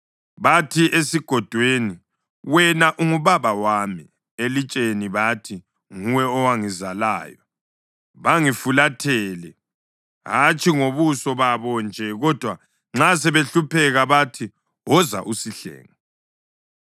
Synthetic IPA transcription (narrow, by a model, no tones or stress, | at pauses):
βatʰiesiɡ̥ʱɔd̥ʱweni | wɛnaʔuŋuβaβawaːmi | elit͡ʃʼeniβatʰi | ŋuwɛɔwaŋizala̰ːjɔ | βaŋifulatʰɛːlɛ | ɦat͡ʃʰʼiŋoβusɔβaβɔnd͡ʒʱɛɣɔd̥ʱwa | ŋ͡ǁas̬ɛβeɬupʰɛɣaβatʰi | wɔza̰ʔusiɬɛ̰ːŋa